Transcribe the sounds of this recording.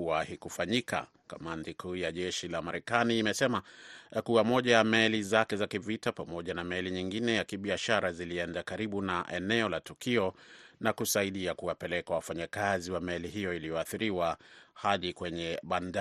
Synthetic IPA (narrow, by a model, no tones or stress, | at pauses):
uahikufaɲika̰ | ka̰mantikʰuːjaʄɛʃilamaɾɛkaniːmɛsɛmakuwamɔʄajamɛlizakɛzakivitapamɔʄanamɛliɲiŋɡinɛjakiɓiaʃaɾaziliɛndakaɾiɓunaʔɛnɛɔlatukiɔnakusaiɗiakuwapɛlɛkawafaɲakaziwamɛliɦijɔilijɔaθiɾiwahaɗikwɛɲɛɓanda